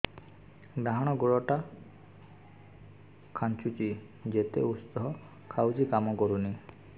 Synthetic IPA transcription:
ɡɾaɦɔɽ̃ɔɡoɭɔʈa | kʰant͡ʃut͡ʃi | d͡ʒet̪ḛust̪ɔɦɔ | kʰawd͡ʒikamɔkɔɾuni

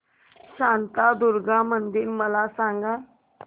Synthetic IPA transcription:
ɕant̪ad̪uɾɡamənd̪iɾməlasaŋɡa

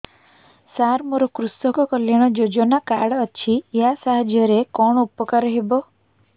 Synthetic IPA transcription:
saɾmoɾɔkɾust̪ɔkɔkɔljaɽ̃ɔd͡ʒod͡ʒɔnakaɽət͡ʃʰiejasaɦd͡ʒjɔɾekɔɳ̃ɔupɔkaɾɔɦebɔ

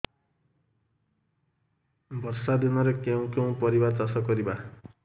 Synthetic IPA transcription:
bʱɔɾsad̪inɔɾekeũkeũpɔɾibaɾt͡sasɔkɔɾiba

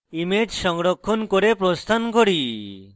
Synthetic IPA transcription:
imed͡ʒsɔŋɾokʰːonkoɾepɾost̪ʰankoɾi

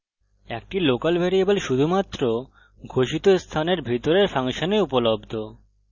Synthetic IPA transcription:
ek̚ʈilokalbʱeɾiebelʃud̪ʱumat̪ːɾo | ɡʱoʃit̪ost̪ʰaneɾbʱit̪oɾeɾfʰaŋʃoneupolobd̪ʱo

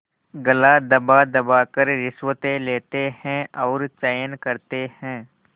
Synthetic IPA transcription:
ɡəlad̪ɐbad̪ɐbaːkəɾɾɪswət̪ẽleːt̪ehɛ̃ɔːɾt͡ʃaːjənkɐɾt̪ehɛ̃ː

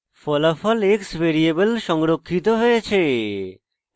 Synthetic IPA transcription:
fɔlafɔleksbeɾiebelʃɔŋɾokʰːit̪oɦoet͡ɕʰe

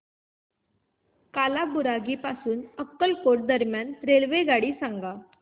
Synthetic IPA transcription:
kalabuɾaɡiːpasuːnəkːəlkoʈ̚d̪əɾmjanɾelʋeɡaɽiːsãŋɡa

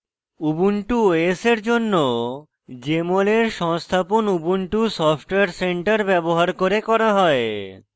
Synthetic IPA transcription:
ubuɳʈuoeseɾd͡ʑonːo | d͡ʑemoleɾʃɔŋst̪ʰaponubuɳʈusɔfʈoeaɾseɳʈaɾbɛboɦaɾkoɾekɔɾaɦɔe

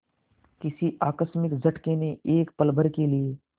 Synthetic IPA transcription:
kɪsiʔaːkəsmɪkzɐʈkeneʔeːkpɐlbʱəɾkelieː

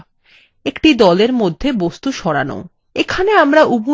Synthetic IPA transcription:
ekʈid̪ɔleɾmod̪ʱːebost̪uʃɔɾa̰no̰ | ekʰaneamɾaʔubu

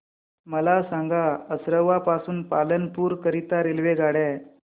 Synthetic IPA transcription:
məlasaŋɡaəsɾəʋːapasuːnpalənpuːɾkəɾit̪aɾelʋeɡʱaɽɛ

